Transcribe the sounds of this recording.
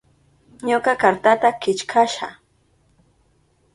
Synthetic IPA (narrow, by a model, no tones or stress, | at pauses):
ɲokakaɾt̪at̪akɪt͡ʃkʰaʃa